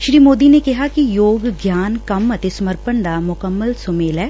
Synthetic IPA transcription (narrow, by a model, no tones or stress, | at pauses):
ʃɾiːmoːd̪inekɪɦakijoːɡɡjaːnkɐmɐt̪esɐməɾpəɳd̪amʊkəmːəlsomeːlɦɛː